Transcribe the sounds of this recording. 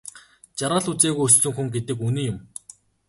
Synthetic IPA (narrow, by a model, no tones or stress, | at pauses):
t͡ɕaɾaːɮut͡seːɣujɵst͡ɕɵ̆ŋxuŋɡet̪ɘ̆kuniːjʊm